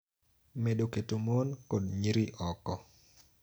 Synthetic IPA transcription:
medoketomonkodɲiɾiʔɔkɔ

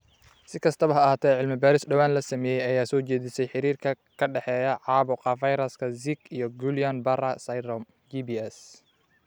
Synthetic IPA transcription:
sɪkʰɐst̪ʰɐβɐɦɐːɐːt̪ʰɛʕɪlmɐbaːɾɪsɖɐwaːnlɐsɐmɛːjɛjɐjaːsɔːt͡ʃɛːðɪsɛjħɪɾiːrkʰɐ | kʰɐɖɛħɛːjɐʕɑːbɔqɑfɐjɾɐskʰɐziɡijɔɡulijanbɐrɐsɐjɾɔm | d͡ʒibiːɛs

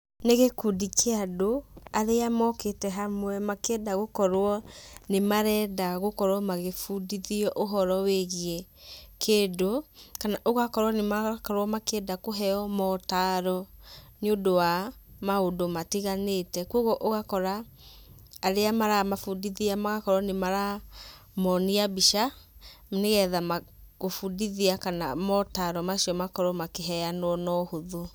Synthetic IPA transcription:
neɣekudikeadoaɾeamɔketɛɦamwɛmakɛdaɣokɔɾwɔnemaɾɛːdaɣokɔɾwɔmaɣefudiðiɔʔoɦɔɾɔweɣiɛkʰeːdokanaʔoɣakɔɾwɔnemakɔɾwɔmakedakoɦɛɔmɔtaːɾɔneodowamaodomatiɣanetɛkoɣɔʔoɣakɔɾaː | ɾeamaɾamafudiðiamaɣakɔɾɔnemaɾa | mɔniabiʃamneɣɛðama | ɣofudiðiakanamɔtaɾɔmaʃiɔmakɔɾɔmakeɦɛanwɔnɔhoðu

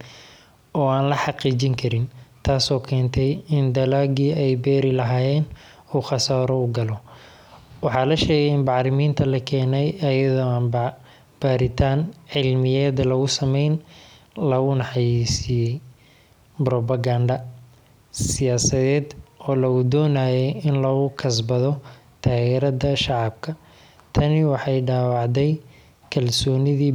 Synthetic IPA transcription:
ɔːaːnlɐħɑqiːt͡ʃɪŋkʰɐɾɪnt̪ʰaːsɔːkʰɛːnt̪ʰɛjɪnd̪ɐlaːɡiɛjbɛːɾɪlɐɦaːjɛːn | uːχɑsaːɾɔʊɡɐlɔ | wɑħɑːlɐʃɛːɣɛjɪnbɑʕɾɪmiːnt̪ʰɐlɐkʰɛːnɛjɐjɐðɔːaːnb | b̥aːɾɪt̪ʰaːnʕɪlmɪjɛːd̪ɐlɐɣʊsɐmɛjn | lɐɣʊnɑħɑjisɪjɛj | bɾɔbɐɡaːɳɖɐ | sɪjaːsɐðɛːd̪ɔːlɐɣʊd̪ɔːnaːjɛjɪnlɔːɣʊkʰɐs̬bɐðɔ | t̪ʰaːɣɛːɾɐdɐʃɑʕɑb̚kʰɐ | t̪ʰɐnɪwɑħɑjɖaːwɑʕd̪ɛj | kʰɐlsɔːnɪðiː

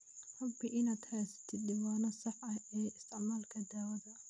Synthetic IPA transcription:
ħɐbɪʔɪnaːd̪haːsɪ̥t̪ʰɪd̪ɪwaːnɔsɑħɐɛːɪst̪ʰɪʕmaːlkʰɐd̪aːwɐðɐ

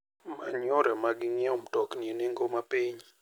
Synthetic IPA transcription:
maɲɔɾɛmaɡɪŋiɛomtɔknieneŋɡomapiɲ

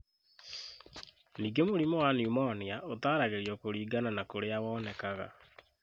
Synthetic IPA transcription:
niːɡemoɾimɔwaniumɔɔneaotaːɾaɣeɾiɔkoɾiːɡananakoɾeawɔːnɛkaɣa̰

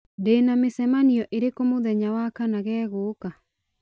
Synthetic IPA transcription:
deːnamesɛmaniɔʔeɾekomoðɛɲawakanaɣɛːɣoːka

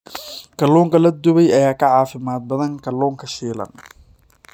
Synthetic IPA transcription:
kʰɐlɔːŋkʰɐlɐd̪ʊβɛjɐjaːkʰɐʕɑːfɪmaːd̪̚bɐðɐŋkʰɐlɔːŋkʰɐʃiːlɐ̰n

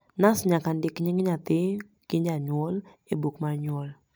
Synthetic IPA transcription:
nasɲakandɪkɲiŋɪɲat̪ɪ | kɪɲd͡ʒaɲuɔl | ebukmarɲɔl

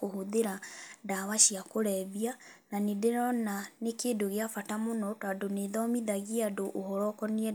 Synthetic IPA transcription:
kohoðeɾadawaʃiakoɾɛβiananedeɾɔnanekeːndoɣeafatamonɔtadoneðɔmiðaɣiadoʔohɔɾɔkɔniɛ

